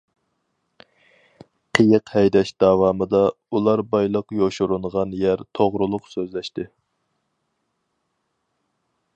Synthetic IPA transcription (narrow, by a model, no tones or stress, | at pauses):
qʰəjəqhɛjd̪ɛʃd̪̥ɑwɑmɨd̪ɑ | ulˠɑɾbɑjlˠəqjoʃuɾuɴʁɑnjæɾt̪ʰoʁɾulˠʊqsøzlɛʃt̪ɪ